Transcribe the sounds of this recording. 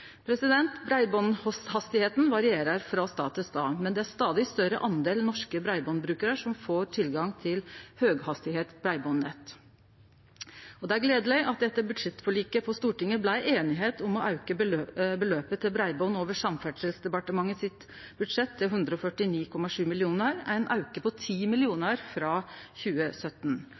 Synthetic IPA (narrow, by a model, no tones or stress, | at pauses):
pʰɾɛsɪd̪ɛnt̪bɾæɪbɔnhɔshɑst̪ɪheːt̪n̩ʋɑɾɪeːɾəɾfɾɑst̪ɑ̰ːt̪əst̪ɑ̰ːmɛnd̪ɛæɾʂt̪ɑːd̪ɪst̪œɾəʔɑnd̪eːlnɔʂkəbɾæɪbɔnbɾʉːkəɾəʂɔmfoːɾʈʰɪlɡɑŋt̪ʰɪlhøːɡhɑst̪ɪheːt̪b̥ɾæɪbɔnːɛt̪ | ɔd̪ɛæɾɡleːd̪əlæɪʔɑt̪̚d̪ɛt̪ːəbʉd̪ʂɛt̪fɔɭiːkəpʰɔst̪uːʈɪŋːəblæɪʔeːnɪɦeːt̪ʰʊmɔʔɑʉkəøbəløːpət̪ʰɪlbɾæɪbɔʊnoːʋəʂɑmfæɖʂəlsd̪ɛpɑʈəmɑŋːəsɪt̪ | bʉd̪ʂɛt̪ʰːɪlɦʉnd̪ɾəɔfœʈɪniːkʰɔmɑʂʉːmɪlɪuːnəɾæɪnʔɑ̰ʉkəpʰɔt̪ʰiːmɪlɪuːnəɾfɾɑːçʉːəsœt̪ːn̩